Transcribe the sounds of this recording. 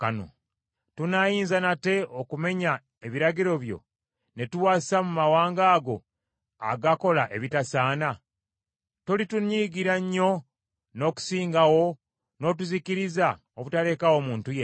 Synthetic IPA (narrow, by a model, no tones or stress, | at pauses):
ka̰no̞̰ | tunajiːnzanate̞okume̞ɲa | e̞βiɾaɟiɾo̞βjo̞̰ | ne̞tuwaːsamumawaːŋɡaːɡo̞ | a̰ɡako̞laʔe̞βitasaːna | tolituɲiɡiɾaɲːo̞ | no̞ːku̥siːŋɡawo̞ | no̞ːt̬uziciɾiza | oβutale̞ːkawo̞muːntuje